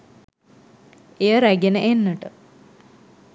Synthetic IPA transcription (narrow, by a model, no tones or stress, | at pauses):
ejəɾæɡenəʔenːəʈə